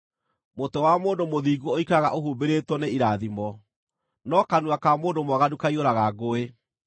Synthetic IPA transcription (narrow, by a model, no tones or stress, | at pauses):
motɛwamoːndomoðiːɡooikaɣa̰ʔoɦuːbeɾetwɔneiɾaðimɔ | nɔkanuakamoːndomaɣadukaioɾaɣaɡoe